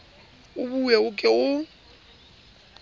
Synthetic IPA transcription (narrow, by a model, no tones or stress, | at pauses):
ʊbujɛʊkʼɪʊ